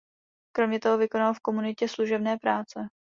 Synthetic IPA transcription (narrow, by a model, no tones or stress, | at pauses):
kɾo̞mɲɛt̪o̞ɦo̞vɪko̞nalfko̞munɪcɛsluʒɛbnɛːpɾaːt͡sɛ